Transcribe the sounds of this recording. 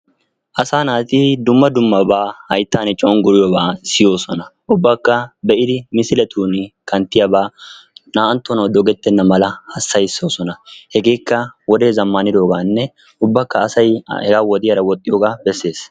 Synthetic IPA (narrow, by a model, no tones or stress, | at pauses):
ʔɐsaːnaːt̪ɪd̪ʊmːɐd̪ʊmːɐbaːhɐjt̪ːaːnt͡ʃʼɔʊnɡʊɾɪjɔbaːsɪjo̞ːsɔnɐʔʊbːakːɐbɛʔɪd̪ɪmɪsɪlɛt̪ʰuːnkɐnt̪ːɪjɐbaːnaːɐnt̪ːɔnɐwd̪ɔɡɛt̪ːɛnːɐmɐlɐhɐsːɐjɪsːoːsɔnɐhɛɡe̞ːkːɐwɔd̪e̞ːzɐmːɐnɪd̪o̞ːɡaːnːɛ | ʊbːɐkːɐːsɐjhɛɡaːwɔd̪ɪjɐɾɐwɔt̪ʼːɪjoːɡaːbɛsːe̞ːs